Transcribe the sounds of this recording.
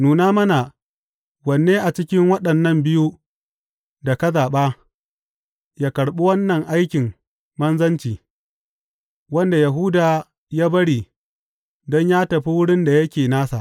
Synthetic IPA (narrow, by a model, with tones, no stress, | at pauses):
nuː˨naː˦mɐ˦na˨ | wɐ˨nːeː˦ʔa˨t͡ʃɪ˦kʲɪ˦ŋwɐ˦ɗɐ˨nːɐ˦mbɪ˦ju˦ | da˨kɐ˦zaː˨ɓaː˦ | jaː˦kɐ˨ɽɓu˦wɐ˦nːɐ˨ŋʔa˦jkʲɪ˨ŋ | mɐ˦nzɐ˦nt͡ʃiː˨ | wɐ˦nda˨ja˨ɦu˦daː˨ | jaː˦bɐ˦ɽiː˨ | dɔ˦ɲjaː˦tɐ˨ɸi˦wʊ˦ɽɪ˦nda˨jɐ˦kʲeː˨naː˦sa̰˨ʔ